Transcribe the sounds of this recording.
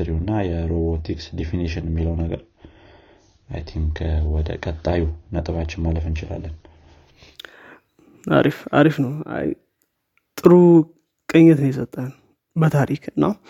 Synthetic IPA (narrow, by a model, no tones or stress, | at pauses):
ɨɾihnːajɛɾobot̪ʰiksd̪efiniʃɪnɛmːiləwnəɡəɾ | ʔajt̪ʰimkʰəwɔd̪ə̰kʼət̪ʼːajunət̪ʼɨβat͡ʃːɪnmaləfɨnt͡ʃɪla̰lːən | ʔa̰ɾifa̰ɾifnəwa̰j | t̪ʼɨɾu | kʼəɲːɛt̪ɨnjɛsət̪ʼːən | bət̪ʰaɾikʰɨnːa